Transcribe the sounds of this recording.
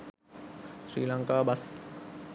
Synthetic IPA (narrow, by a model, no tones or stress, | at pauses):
sɾḭːlaŋkaːbas